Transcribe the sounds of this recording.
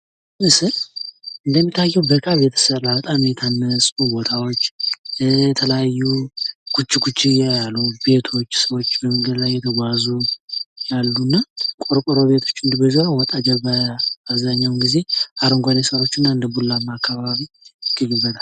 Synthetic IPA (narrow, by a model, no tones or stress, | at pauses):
nɨsɨlɨnd̪əmːit̪ʰːajːɛwbəkʼaβet̪ʰə̥səɾabət̪ʼamjɛt̪ʰanːəsʼfubo̞t̪ʰawot͡ʃːjɛt̪ʰələjajːuɡ̥ʰut͡ʃːiɡut͡ʃːijajalube̞t̪ʰo̞ot͡ʃːsəwot͡ʃːbəmɨŋɡɨd̪lajːɛt̪ʰəɡʷazujalːunːakʼoɾkʼɔɾoβe̞t̪ʰo̞̥t͡ʃːɨnd̪ɨbəzolawɔt̪ʼad͡ʒəβaaβzaɲːawnɡize̞ʔaɾɨŋɡʷanesəɾo̞t͡ʃːɨnːaɨnd̪əbulːamːaakʰːaβaβi | ɡ̥ɨɡɨβəd̪ʰal